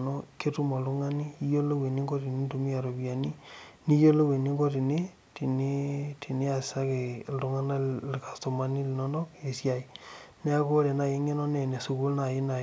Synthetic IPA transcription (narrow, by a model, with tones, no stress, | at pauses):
no˦ke˦tu˦ma˨lu˦ŋa˦ni˦i˦jo˦lo˦we˨ni˦ŋɡɔ˦ti˨ni˦ntu˨mi˦a˨ɾo˨bja˨ni˦ni˦jo˦lo˦we˨ni˦ŋɡo˦ti˨ni˦ | ti˨ni˦ti˨ni˦a˨sɪ̥˨sa˦ke˨ldu˨˦ŋa˦na˦lka˨sto˨ma˦ni˦li˨nɔ˦ndɔ˦ke˨sja˨i˨ | nɛ˦a˦ko˦ɾe˨na˨je˦ŋe˦nɔ˦nɛ˨ne˨su˨ku˦lna˨ji˦na˨